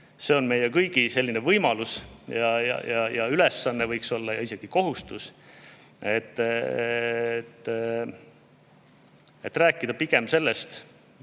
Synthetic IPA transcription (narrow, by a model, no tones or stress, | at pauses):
se̞o̞nme̞jekɤjɡ̥ise̞lʲːinevɤjmɑlusjɑjɑ̰jɑ̰jɑyle̞sːɑnːevɤjkso̞lːɑjɑise̞ɡ̥iko̞ɦust̪us | et̪ː | t̪ː | e̞t̪ːˑræːkːˑid̪̥ɑpiɡ̥e̞mse̞lːe̞st̪